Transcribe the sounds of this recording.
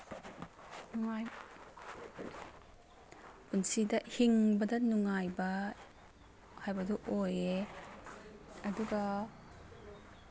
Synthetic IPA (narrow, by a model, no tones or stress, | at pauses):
nŋaj | punsidɐhiŋbɐdɐnuŋajbɐ | hajbɐdɔʔoje | ɐduɡa